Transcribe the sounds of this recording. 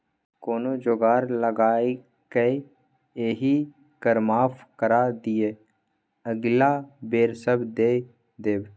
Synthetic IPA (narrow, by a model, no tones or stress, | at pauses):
koːnod͡ʒoːɡaːɾləɡaːe | ke | eːɦi | kəɾmaːfkəɾaːd̪ijeː | əɡlaːbeːɾsəbd̪eː | d̪eːb